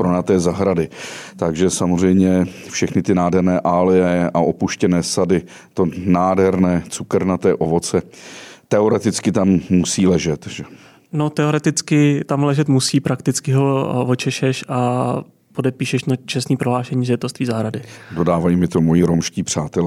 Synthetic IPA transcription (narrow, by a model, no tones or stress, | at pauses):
pɾonat̪ɛːzaɦɾadɪt̪aɡʒɛsamor̝ɛjmɲɛfʃɛxnɪt̪ɪnaːdɦɛɾnɛːʔaːlɪjɛʔaʔo̞puʃcɛnɛːsadɪ | t̪o̞naːdɦɛɾnɛːt͡sukɾnat̪ɛːʔovo̞t͡sɛt̪ɛo̞ɾɛt̪ɪt͡skɪt̪amːusiːlɛʒɛt̪ʒ̥ɛ | no̞t̪ɛo̞ɾɛt̪ɪt͡skɪt̪amlɛʒɛt̪musiːpɾakt̪ɪt͡skɪɦo̞vo̞t͡ʃɛʃɛʃʔa | po̞dɛpiːʃɛʃnat͡ʃɛst̪niːpɾoɦlaːʃɛɲiːzjɛt̪ost̪viːzaɦɾadɪdo̞daːvajimɪt̪o̞mojiɾomʃciːpr̝̥aːt̪ɛl